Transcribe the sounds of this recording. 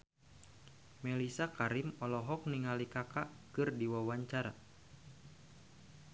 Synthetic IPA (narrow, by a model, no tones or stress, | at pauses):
mɛlisakaɾimɔlɔɦɔk̚niŋalikakaʔkɨrdiwawaɲt͡ʃaɾa